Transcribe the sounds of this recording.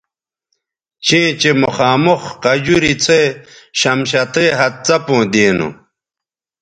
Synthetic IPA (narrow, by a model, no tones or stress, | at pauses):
t͡ɕʰẽːt͡ɕemuxaːmuxqɐd͡ʑuɾit͡sʰeːɕɐmɕ̬ɐt̪eːɦɐt̪̚t͡sɐpõːd̪eːnṵ